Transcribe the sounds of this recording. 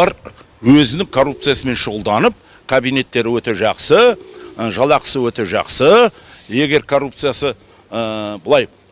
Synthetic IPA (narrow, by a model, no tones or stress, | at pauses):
ɑɾ | wɵzɪnɪŋkʰorːup̚t̪sɨjasəme̞nʃʊʁəlˠd̪ɑnəp̚ | kʰabijne̞t̪ːe̞ɾɪwɵt̪e̞ʒɑqsə | ʒɑlˠɑqə̥səwɵt̪e̞ʒɑ̰qsə | je̞ɡʲe̞ɾkʰo̞rːupt̪sɨjasə | bʊlˠɑj